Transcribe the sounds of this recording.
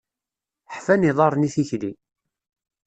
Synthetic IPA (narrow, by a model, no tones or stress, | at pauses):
ħfæniðˤɑɾˤniθiçli